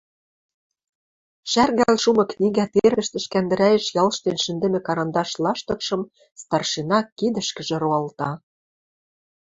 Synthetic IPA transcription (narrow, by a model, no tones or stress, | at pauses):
ʃærɣælʃumɤ̆knʲiɣæt̪eɾɘ̆ʃt̪ɘ̆ʃkænd̪ɘ̆ɾæjɘ̆ʃjɑlˠʃt̪enʃɘ̆nd̪ɘ̆mĕkɑɾɑnd̪ɑʃlˠɑʃt̪ɤ̆kʃɤ̆m | st̪ɑrʃinɑkːid̪ɘ̆ʃkɘ̆ʒĕɾoɑlt̪ɑ